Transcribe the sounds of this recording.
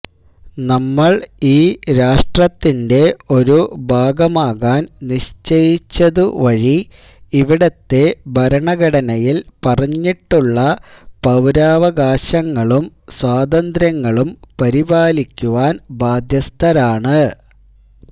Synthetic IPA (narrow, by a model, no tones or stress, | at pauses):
nɐmːɐɭiːɾaːʂʈrɐt̪ːinde̞o̞ɾubʱaːɡɐmaːɣaːnniɕt͡ɕejit͡ɕːɐðuʋɐɻi | iʋiɽɐt̪ːe̞bʱɐɾɐɳɐɡɐɽɐnɐjilpɐrɐɲːiʈːuɭːɐpɐwɾaːʋɐɡaːɕɐŋːɐɭum | swaːd̪ɐnd̪ɾjɐŋːɐɭumpɐɾibaːlikʲːuʋaːnbʱaːd̪ʱjɐst̪ʰɐɾaːɳɨ